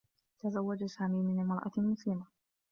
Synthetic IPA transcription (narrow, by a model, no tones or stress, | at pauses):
t̪azawːad͡ʒasaːmiːmɪnmɾˤʔa̰mʊslɪma